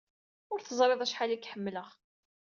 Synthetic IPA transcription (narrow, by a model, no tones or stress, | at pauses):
ʊɾθəzˤɾˤeðˤæʃħalækːħəmːləʁ